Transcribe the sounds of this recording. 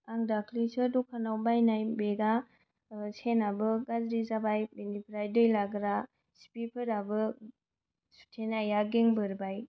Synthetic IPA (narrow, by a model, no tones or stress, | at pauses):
aŋdakʰlisɯdukʰːanawbajnajbeɡa | senabɯɡazɾizabajbenipʰɾajdɯjlaɡɾa | si̥pipʰɯɾabɯ | su̥tʰenajaɡeŋbɯɾbaj